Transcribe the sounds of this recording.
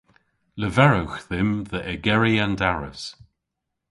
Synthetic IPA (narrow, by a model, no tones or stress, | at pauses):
ləvɛɹəwxðɪmðəʔɛɡɛɹiandaɹə̰s